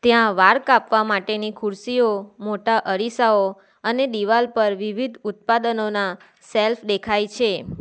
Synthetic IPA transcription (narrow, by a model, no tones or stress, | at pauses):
t̪jãʋaɾkapʋamaʈenikʰʊɾsiomoʈaʔəɾisao | əned̪iʋalpəɾʋiʋid̪ʱʊt̪̚pad̪ənona | selfd̪ekʰajt͡ʃʰe